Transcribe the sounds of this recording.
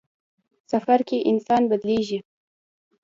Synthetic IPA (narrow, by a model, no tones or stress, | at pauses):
safaɾkeʔɪnsɑnbad̪leʒi